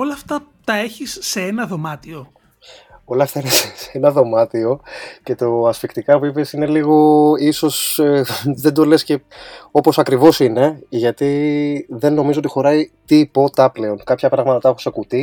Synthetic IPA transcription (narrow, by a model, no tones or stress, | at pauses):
olɐːft̪ɐt̪ɐe̞çisːe̞enɐðo̞mɐt̪io̞ | o̞lɐːft̪ɐinesseenɐðo̞mɐt̪io̞ce̞t̪o̞ɐsfikt̪ikɐpuipesine̞liɣo̞iso̞seðend̪o̞le̞sce̞o̞po̞sɐkɾivo̞sine̞ʝɐt̪iðe̞nːo̞mizoot̪ixo̞ɾɐit̪ipo̞t̪ɐple̞o̞nkɐpçɐpɾɐɣmɐt̪ɐt̪exu̥sekut̪i